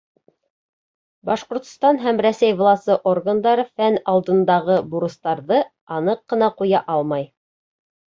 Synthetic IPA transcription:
bɑʃqŏɾt̪̆st̪ɑnɦæmɾæsæjvlˠɑsɤʔorɡənd̪ɑɾɤfænɑlˠd̪ɤ̆nd̪ɑʁɤbuɾɤ̆st̪ɑɾðɤ | ɑnɤqːɤ̆nɑqujɑʔɑlˠmɑj

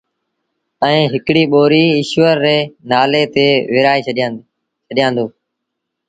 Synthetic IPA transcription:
əĩːɦɪkɽiːɓoːɾiːɪʃʋəɾːeːnaːleːt̪eːʋɪːɾaːeː | t͡ʃʰəɗjãːnd̪oː

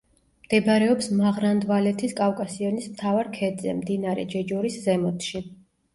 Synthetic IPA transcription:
md̪̥ɛbɾɛɔpsmaʁɾand̪valɛt̪ʰiskʼafkʼasiɔnismt̪ʰavaɾkʰɛd̪zɛ̰md̪inaɾɛ̰d͡ʒɛd͡ʒɔɾiszɛmɔt̪ʰʃi

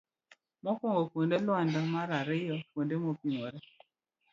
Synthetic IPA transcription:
mɔkɔŋɡɔkwondelʊandɔmaɾaɾɪjɔkwondemɔpiŋoɾɛ

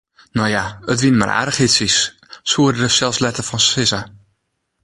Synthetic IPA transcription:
nojaətʋinma̰rʔa̰ɾəχhɪtsis | suədrəsɛlˠfslɛtəfɔnsɪsa

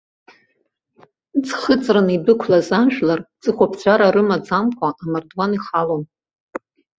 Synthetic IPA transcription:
d͡zχət͡sʼranibɨkʷʰlazanʃᶣlard͡zɨχʷapʰt͡sʷʰaɾaɾɨmad͡zamkʷʰaʔamardwaniχalom

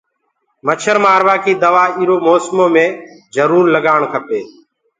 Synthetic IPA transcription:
mət͡ʃʰəɾmaːɾʋaːkiːd̪əʋaːiːɾoːmoːsmõːmẽː | zəɾuːɾləɠaːɳkʰəpeː

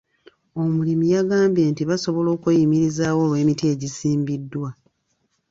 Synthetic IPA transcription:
o̞mulimijaɡaːmbje̞ːntiβaso̞βo̞lo̞ːkujimiɾizaːwo̞ːlwe̞ːmitie̞ɟisiːmbidːwa

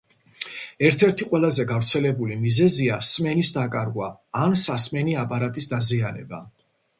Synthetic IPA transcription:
ɛɾt̪ʰɛɾt̪ʰiqʼwɛlˠazɛɡavɾt̪sʰɛlɛbulimizɛziasmɛnisd̪akʼaɾɡwaːnsasmɛniapʼaɾat̪ʼisd̪azianɛ̰ba̰

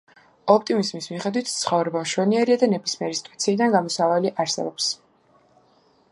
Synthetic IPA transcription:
ɔpʰt̪ʼimizmismiχɛd̪wit̪ʰt̪sʰχɔvɾɛbamʃwɛniɛɾiad̪anɛbismiɛɾisi̥t̪ʼuat̪sʰiːd̪anɡamɔsavaliʔaɾsɛ̰bɔps

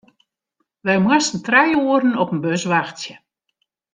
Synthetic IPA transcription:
ʋɛjmwasən̩trɛjuːərn̩ɔpənbøsʋaxtsjə

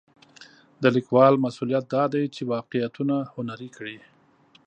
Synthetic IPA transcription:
d̪əlikwɑlmasulijat̪̚d̪ɑd̪ajt͡ʃewɑqejat̪unahʊnaɾikɽi

